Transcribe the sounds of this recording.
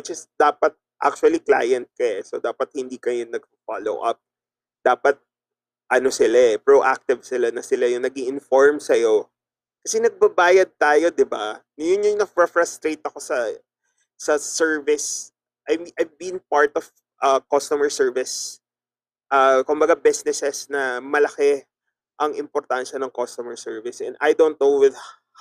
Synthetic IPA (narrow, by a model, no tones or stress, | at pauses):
wɪt͡ʃɛsd̪̥aːpɐt̪̚ | ʔa̰k̚t͡ʃʊɐlikla̰ːjɐnt̪̚kɐɛsod̪aːpɐt̪̚hɪnd̪iːkɐjonɐɡ̚ffa̰lo̰wʔɐ̰p̚ | d̪̥aːpɐt̪̚ | ʔɐno̞sɪlaʔɛpɹoʔak̚t̪ɪvsɪlanɐsɪlajʊŋnɐɡiʔɪnfoɹmsɐjo | kɐsɛnɐɡ̚bɐbaːjɐd̪̚t̪aːjo̞d̪ɪba̰nɐjʊnɲʊŋnɐfɹɐfɹɐst̪ɾejt̪ɐko̞sɐ | sɐsɛɹvɪs | ʔɐjʔɐjvbinpaɹt̪ɔv̥ | ʔɐkost̪ʊmɛɹsɛɹvɪs | ʔɐːkʊmbɐɡabɪsnɪsɛsnɐmɐlɐkɛ | ʔɐŋɪmpɔɾt̪anʃɐnɐŋkost̪ʊmɛɹsɛɹvɪsʔɛ̰nd̪ajd̪ownt̪̚nowɪð